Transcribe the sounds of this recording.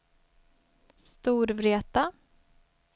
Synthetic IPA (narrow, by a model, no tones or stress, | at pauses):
st̪uːɾvɾeːt̪a